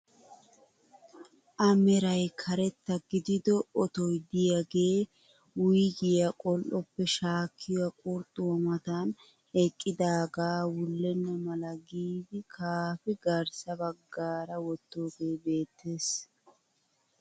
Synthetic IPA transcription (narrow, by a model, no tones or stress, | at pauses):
ʔɐmɛɾɐjkʰɐɾɛt̪ːɐɡɪd̪ɪd̪ɔɔt̪ɔjd̪ɪjaɡe̞ː | wʊjɡɪjɐkʼɔlʔɔpːɛʃaːkʰːɪjɔwɐkʼʊɾt̪ʼːʊmɐt̪an | ɛkʼːɪd̪aːɡaːwʊlːɛnːɐmɐlɐɡiːd̪ɪkʰaːfɪɡɐɾsɐbɐɡːaːɾɐwɔt̪ːo̞ːɡe̞ːbe̞ːt̪ːeːs